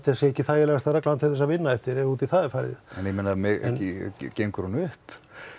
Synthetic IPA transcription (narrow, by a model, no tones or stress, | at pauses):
t̪ɪasjɛɛhcːɪθaːjɪlɛɣast̪arɛklant̪θʰɪθɛsavɪnːaɛft̪ɪɾɛuːt̪iθaðɪfaɾðɪ̰ðɛ̰njmɪnːamɛɣḛnɪcejŋkɾunʏhp